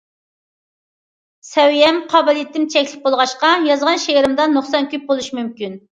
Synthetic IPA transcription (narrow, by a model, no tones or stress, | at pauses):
sɛwijɛmqʰɑbɨlˠit̪ʰːɪmt͡ʃʰɛkʲlɪk̚ʲbolˠʁɑʃqɑjɑzʁɑnʃeɾɨmd̪ɑnoχsɑnkʲyp̚bolˠuʃimymkʲyn